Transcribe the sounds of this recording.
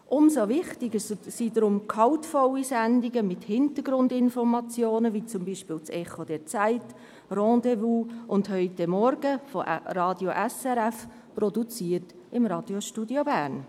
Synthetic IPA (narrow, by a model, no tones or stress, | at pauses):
ʔʊmzoʋɪχtɪɡəssidɾʊmkʰɑʊtfɔlisændɪɡəmɪthɪnt̪əɾɡɾʊndɪnfɔɾmɑt͡sjoːnəʋit͡sʊmbiːʃpɪːlt͡sɛχod̥ɛɾt͡saɪt | rɑ̃ːdevuːʔʊndhœʏtɛmɔɾɡəfɔʔɾɑːdjoʔɛsɛɾɛf | prɔdut͡siːət | ɪmɾɑːd̥joʃtudjobæːɾn